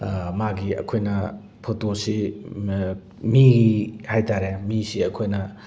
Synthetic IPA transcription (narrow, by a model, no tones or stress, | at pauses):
maɡiɐ̰kʰojnɐ | pʰotosi | mihajtaɾemisiɐkʰojnɐ